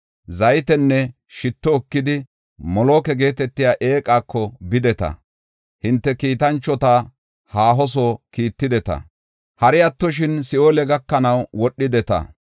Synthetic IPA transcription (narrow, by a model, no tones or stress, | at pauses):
zɐjt̪ɛnːɛ | ʃɪt̪ːɔːkːɪd̪ɪ | mɔloːkɛɡe̞ːt̪ɛt̪ːɪjaːʔe̞ːkʼaːkʰːɔbɪd̪ɛt̪ɐ̰ | hɪnt̪ːɛkiːt̪ɐnt͡ʃːɔt̪a | haːɦɔs̬oːkiːt̪ːɪd̪ɛt̪ɐ̰ | hɐɾɪɐt̪ːɔʃ̬ɪnsɪoːlɛɡɐkːɐnɐwwɔɗːɪd̪ɛt̪ɐ̰